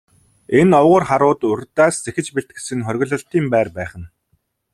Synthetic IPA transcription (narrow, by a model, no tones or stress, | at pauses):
enɔwʁʊ̆ːrχaɾʊːt̪ʊrʲt̪aːst͡sexɘ̆t͡ɕpeɮt̪̚ɡe̥sɘ̆ŋχœrʲɣʲɞ̆ɮɞ̆ɬt̪iːmpæːrpæːχə̆n